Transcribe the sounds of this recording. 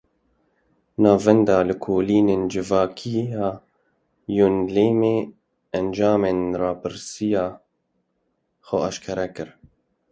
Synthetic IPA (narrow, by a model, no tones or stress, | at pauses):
nɑːvɛnd̪ɑːlɨkʰoːliːneːnd͡ʒɨvɑːkʰiɑː | junleːmeː | ɛnd͡ʒɑːmeːnrɑːpɨɾsijɑː | xʊɑʃkʰɛɾɛkɨɾ